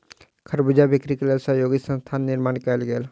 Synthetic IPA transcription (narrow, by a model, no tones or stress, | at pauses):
kʰəɾbud͡ʒabɪkɾikeləsajoːɡisə̃nst̪ʰaːnːɪɾmaːnkelɡeːl